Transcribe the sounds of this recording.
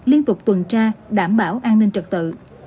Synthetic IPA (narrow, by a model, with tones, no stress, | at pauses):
li˧ənt̪ʊ˨˩k͡p̚t̪wə˨˩nt͡ɕaː˧ɗaː˧˩mɓaː˧˦wʔaː˧nnï˧ŋ̟t͡ɕə˨˩k̚t̪ɨ̰˧˨